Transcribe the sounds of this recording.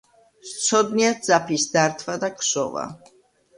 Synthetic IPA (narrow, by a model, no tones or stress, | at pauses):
t̪sʰɔd̪niad̪zapʰisd̪aɾt̪ʰvad̪akʰʃɔ̰va̰